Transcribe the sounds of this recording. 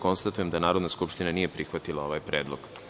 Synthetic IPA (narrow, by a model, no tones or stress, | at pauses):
ko̞nst̪at̪uje̞md̪anaːɾo̞d̪naskupʃt̪inanije̞pɾixʋat̪ilao̞ʋaːjpɾeːd̪loɡ̥